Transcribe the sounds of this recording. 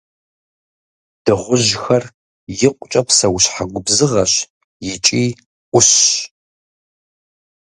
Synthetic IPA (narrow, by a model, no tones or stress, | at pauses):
d̥ɨʁʷʊʒxɐr | jɪqʷʼʊt͡ʃʼɐpsɐwʊɕħaɡʷʊbzɨʁɐɕ | jɪt͡ʃʼiː | ʔʷʊɕ